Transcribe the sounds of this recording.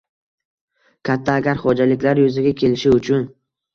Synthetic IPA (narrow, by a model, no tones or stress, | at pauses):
kʲʰat̪ʰːaːɡʲaɾχɒd͡ʒalɪkʲlaɾjozɪɡʲakʲʰe̞lɪʃɪʊt͡ʃʰʊn